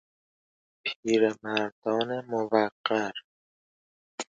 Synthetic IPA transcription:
pʰiːɾemæɾd̪ɒːnemovæqːæɾ

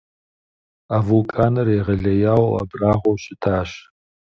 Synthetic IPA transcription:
aːvukʼaːnɐreːʁɐɮɐjaːwɐ̰braːʁʷɔwɕʼɪtʰaːɕ

